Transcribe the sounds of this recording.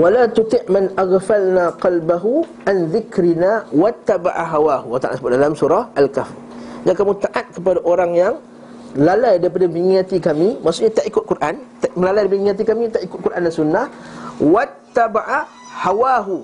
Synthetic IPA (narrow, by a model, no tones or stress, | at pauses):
walat̪ut̪ɪʔmanʔaɣfalnaqɑlbaɦu | ʔanðɪkɾinawat̪ːaba̰ʕaɦawahuwat̪aʔa̰t̪səbʊt̪̚dalamsuɾahʔalkaf | d͡ʒakamũt̪aʔat̪̚kəp̬adaʔoɾaŋjaŋ | lalajdaɾip̬adamiŋiat̪ikamimaʔsuʔɲat̪aʔikʊt̪̚kurʔant̪aʔməlalajdapŋiat̪̬ikamit̪aʔikʊt̪̚kuɾʔandasunːahwat̪ːabaʕa | hawaɦu